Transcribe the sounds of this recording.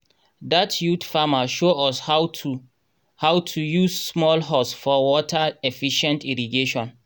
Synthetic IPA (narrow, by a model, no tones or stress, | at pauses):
datʰjutfamaʃoɔsha | hawtʰujussmɔlɦɔsfɔwɔtʰaefiʃɛ̃ntiɹiɡeʃɔ̃n